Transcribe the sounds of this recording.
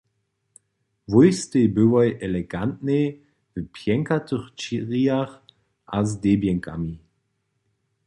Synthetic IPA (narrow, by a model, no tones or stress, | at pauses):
vojstebɵwɔjʔɛlɛɡantne | vəpʰjɛŋkatəχt͡ʃiʁiaχ | ʔa̰zdebjɛŋkʰa̰mi